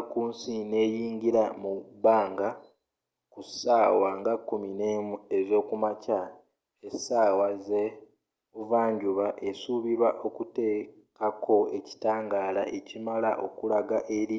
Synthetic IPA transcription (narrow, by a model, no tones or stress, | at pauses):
kuːnsine̞ːjiːŋɡiɾamubaːŋɡa | kusaːwaŋɡakːuminemezo̞ːkumaca | esaːwaze | uvaːɲɟuβaʔesuβiɾwaʔo̞kute̞ː | kakʰo̞eci̥taːŋɡaːla̰ʔecimalaʔo̞kulaɡaʔeɾi